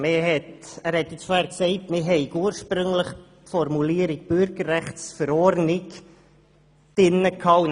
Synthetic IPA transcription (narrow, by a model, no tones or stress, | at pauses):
mɪɦɛtæːɾhɛt̪jɪt͡sfohæːɾksɛɪtmɪɦɛɪkuːəɾʃpɾʏŋləχ | fɔɾmuliəɾik̚b̥ʏɾɡərːæχtsfəɾɔɾnɪk | d̥ɪnːəkʰɑːn